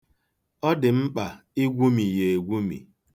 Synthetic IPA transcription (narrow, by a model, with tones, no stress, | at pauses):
ɔ˦dɪ˨m̩˦k͡pa˨ | i˦ɡʷu˦mi˨je˨e˨ɡʷu˦mḭ˨